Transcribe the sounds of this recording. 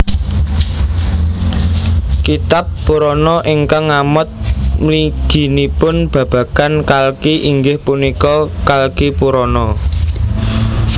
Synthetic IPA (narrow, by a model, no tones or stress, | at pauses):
kit̪apːuɾɔnɔʔiŋkaŋamʊt̪̚mliɡ̥i̤nipʊnb̥ä̤b̥ä̤kankalkiʔiŋɡɪhpunikɔkalkipuɾɔnɔ